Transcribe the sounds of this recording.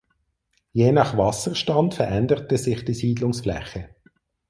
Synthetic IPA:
jeːnɑχvɑsəʁʃtɑntfɛʁɛndəʁtəzɪχd̥iːsiːdlʊŋsflɛ̰χə

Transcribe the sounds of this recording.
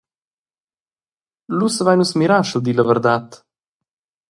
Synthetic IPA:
lusəvajnusmiɾaʃəld̪iləvəɾd̪at̪

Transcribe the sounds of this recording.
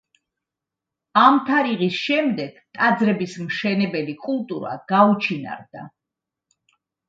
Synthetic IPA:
amt̪ʰaɾiʁisʃɛmd̪ɛɡ̥ | t̪ʼad̪zɾɛbismʃɛnɛbɛlikʼulˠt̪ʼuɾa̰ɡ̥aut͡ʃʰina̰ɾd̪a̰

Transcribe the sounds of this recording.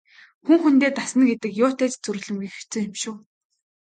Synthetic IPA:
xuŋxunt̪eːt̪asnə̆ɡet̪ɘ̆kjʊːt̪eːt͡ɕt͡sɵɾɵ̆ɮɵ̆mɡext͡sɵ̆ːŋemʃʊː

